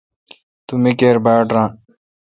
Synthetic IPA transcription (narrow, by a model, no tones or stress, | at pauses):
t̪umikeɾbaːʈɾãː